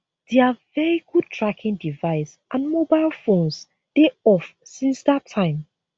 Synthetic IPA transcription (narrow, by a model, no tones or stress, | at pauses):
d̥ɛavɛɹiɡud̚tʰɹakʰĩŋdivaɪsʔãnmobaɪlˠfõns | d̥eɔfsĩnsðatʰːãɪ̃m